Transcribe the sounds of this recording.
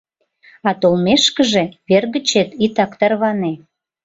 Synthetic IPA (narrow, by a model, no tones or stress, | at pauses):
ɑt̪olmeʃkə̆ʒeβerɣət͡ɕet̪it̪ɑkt̪ərβɑne